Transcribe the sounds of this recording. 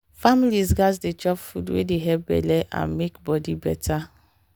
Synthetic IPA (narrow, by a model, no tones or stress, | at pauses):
familizɡazdet͡ʃɔpfudwḛdeɦɛbɛ̰lɛʔã̰nmekbɔdibɛ̰tʰa